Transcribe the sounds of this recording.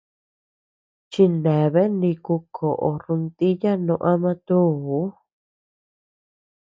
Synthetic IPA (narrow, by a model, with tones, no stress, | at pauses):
t͡ʃi˧nẽ˨βe˦nĩ˧ku˧kʰo˨ʔo˨ɾu˧nt̪i˦ja˦nõ˧ʔa˦mã˧t̪u˦˨u˨˦